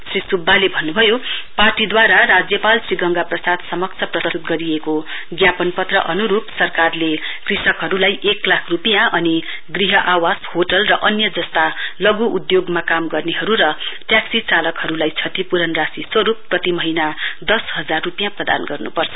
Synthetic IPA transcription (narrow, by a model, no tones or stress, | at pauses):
srisubːalebʱʌnːubʱʌjoparʈid̪waɾarad͡zjʌpalsriɡʌŋɡaprʌsad̪sʌmʌk̚t͡sʰʌprʌut̪̚ɡʌɾieko | ɡjapʌnpʌt̪rʌ̰ʔʌnuɾupsʌrkarlekrisʌkɦʌɾulajʔeklakʰrupijãʌni | ɡriɦʌʔawashoʈʌlrʌʔʌnjʌd͡zʌst̪alʌɡuʔud̪joɡmakamɡʌrneɦʌɾuɾʌʈjaksit͡salʌkhʌɾulajt͡sʰʌt̪ipuɾʌnrasiswʌɾupːrʌt̪imʌɦinad̪ʌsɦʌd͡zarːupijãprʌd̪a̰nɡʌrnṵpʌrt͡sʰʌ̥